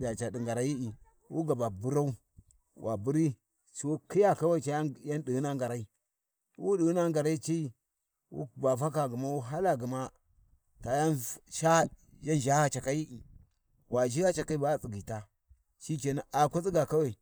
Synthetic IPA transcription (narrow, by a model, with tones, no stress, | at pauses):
a˨t͡ʃa˨di˨ŋɡa˨ɾa˨ji˦i˨ | wu˦ɡa˨ba˨bu˦ɾa˦u˦ | wʔa̰˨bu˦ɾi˦ | t͡ʃi˨wo˦ki˦ja˦ka˦wa˦i˨t͡ʃa˨˦ja˦ndi˨u˦na˦ŋɡa˨ɾa˨˦i˦ | wu˦ɗi˨˦na˦ŋɡa˨ɾa˦i˦t͡ʃi˦i˦ | wṵ˦ba˨va˦ka˨ɡu˨ma˦wu˦ɦa˦la˨ɡu˨ma˦ | ta˨ja˦nʃa˦ | ja˦nd͡ʒa˦ha˨t͡ʃa˨ka˦ji˦ʔi˨ | wa˨d͡ʒi˦ja˦t͡ʃa˨ka˦i˦ba˦t͡si˨ɡi˨ta˦ | t͡ʃi˦t͡ʃe˨na˨ʔa˨kʷa˦t͡si˦ɡa˨ka˦wa˨i˨